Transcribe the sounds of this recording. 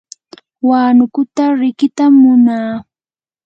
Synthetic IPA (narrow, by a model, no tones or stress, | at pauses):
waːnʊkʊt̪aɾɪkɪt̪amːʊnaː